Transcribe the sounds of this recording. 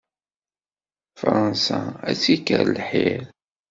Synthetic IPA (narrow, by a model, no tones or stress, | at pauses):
fɾˤɑnsææt͡sːikə̰ɾlħiɾ